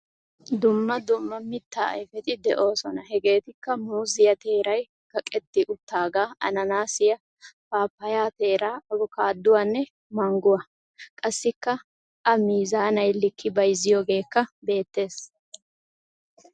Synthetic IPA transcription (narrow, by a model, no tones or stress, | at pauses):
d̪ʊmːɐd̪ʊmːɐmɪt̪ːaːɐ̰jfɛt̪ʼɪd̪ɛʔo̞ːsɔnɐɦɛɡe̞ːt̪ɪkːɐmuːzɪjɐt̪e̞ːɾɐj | kɐkʼɛt̪ːɪʔʊt̪ːaːɡaːʔɐ̰nɐnaːsɪjɐ | faːpːɐjaːt̪e̞ːɾaːɐbɔkaːd̪ːʊwanːɛ | mɐŋɡʊwɐ | kʼɐsːɪkːɐ | ʔɐmiːzaːnɐjlɪkʰːɪbɐjzɪjoːɡe̞ːkːɐbe̞ːt̪ːe̞ːs